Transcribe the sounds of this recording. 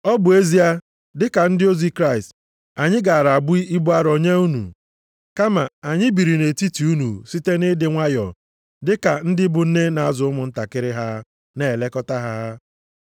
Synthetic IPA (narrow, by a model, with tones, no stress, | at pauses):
ɔ˦bʊ˨e˦zi˦a˦ | dɪ˦ka˨n̩˦dɪ˦o˦zi˦kɾa˦ɪ˨st | a˨ɲɪ˦ɡa˨a˨ɾa˨a˨bʊ˦i˦i˦bʊ˦a˦ɾo˨ɲe˦u˦nṵ˨ | ka˦ma˨a˨ɲɪ˦bi˨ɾi˨ne˨ti˦ti˨u˦nṵ˨si˦te˦nɪ˦dɪ˨ŋʷa˦jɔ̰˨ | dɪ˦ka˨n̩˦dɪ˦bʊ˨n̩˦ne˦na˨a˦zʊ˨ʊ˦mʊ˨n̩˦ta˨kɪ˦ɾɪ˦ɦa˦ | ne˨le˦kɔ˦ta˦ɦa˦